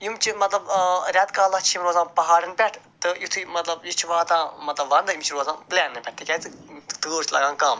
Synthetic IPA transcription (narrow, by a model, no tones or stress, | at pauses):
jumt͡ʃʰimɐt̪lɐbɾʲaːt̪kaːlɐt͡ʃʰiimɾoːzãːnpɐɦaːɾɨnpʲɛʈʰt̪ɨjut̪ʰimɐt̪lɐbjit͡ʃʰiʋaɦːt̪ãːmɐt̪lɐbʋɐnd̪ɨjumt͡ʃʰiɾoːzãːnplɛːnːɨpʲɛʈ̚t̪ɨkʲɛt̪ɨt̪ʰɨɡoːt͡ʃʰlɐ̰ɡãːnkɐm